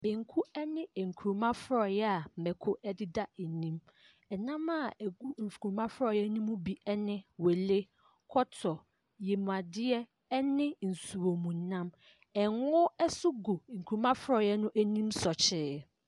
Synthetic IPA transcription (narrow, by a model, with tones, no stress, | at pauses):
bẽ˨ŋ˨kʰu˦ɛ˦nɪ̃˦ɛ˨ŋ̩˨kʰu˨ɾu˨mã˦fʊ˦ɾɔ˨jɛ˦a˨m̩˨mɛ˨kʰʊ˦ʔɛ˦dɪ˦da˦ɛ˨nĩ˦m | ɛ˨nã˦ma˦˨æ˨ɡu˦m̩˨fu˨u˨mã˦fʊ˦ɾɔ˨jɛ˦nĩ˦mũ˦bi˦ɛ˦nɪ̃˦we˨le˦ | kʰɔ˦tʰɔ˨ | je˨m˨a˨dɪ˦ɛ˦ | ɛ˦nɪ̃˦n̩˨su˨wo˨mũ˨n˨nã˦m | ɛ˨ŋʊ˦ɛ˦sʊ˦ɡo˨ŋ̩˨kʰu˨ɾu˨˦mã˦fʊ˦ɾɔ˨jɛ˦nʊ̃˦ʔæ˦nĩ˦msɔ˨t͡ɕʰɪː˦